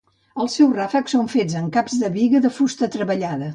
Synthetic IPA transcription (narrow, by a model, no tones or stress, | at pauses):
əlˠsɛwrafəksoɱfed͡zəŋkapzðəβiɣəðəfust̪ət̪ɾəβəʎaðə